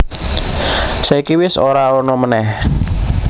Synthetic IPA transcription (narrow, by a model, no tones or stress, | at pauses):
saikiwɪsoɾaɔrnɔmənɛh